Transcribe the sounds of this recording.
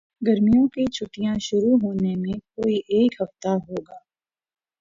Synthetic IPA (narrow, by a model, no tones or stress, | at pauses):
ɡɐɾmijõkit͡ʃʰʊʈijãʃʊɾuɦoːnemẽkoːiʔeːkɦɐft̪aɦoːɡaː